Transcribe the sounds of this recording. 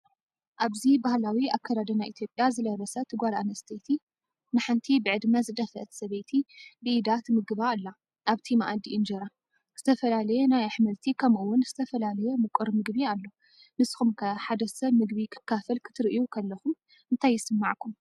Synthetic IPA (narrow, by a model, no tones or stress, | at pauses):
ʔaβzibahlawiakʰːad̪ad̪ɐnajʔit̪ʰjo̞pʼjazɨlɐβɐsɐt̪ʰɨɡalanɐst̪ʰet̪ʰi | nɨħɨnt̪ʰibɨʕɨd̪mɐzɨd̪ɐfɐ̰ʔt̪sɐβejt̪ʰibɨʔid̪at̪mɨɡɨβalːa | ʔaβt̪ʰimaʔad̪iʔɨnd͡ʒɐɾa | z̥ɨt̪ʰɐfɐlalɐjenajaħmɐlt̪ʰikʰɐmʔuwːʊnz̥ɨt̪ʰɐfɐlalɐjemɨkʼɨɾmɨɡbialːo̞ | mɨsxumkʰɐħad̪ɐsɐβmɨɡbikʰɨ̥kʰːafɐlkʰɨ̥t̪ʰɨɾʔijukʰɐlːɐxum | ʔɨnt̪ʰajːɪsɨmːaʕkʰum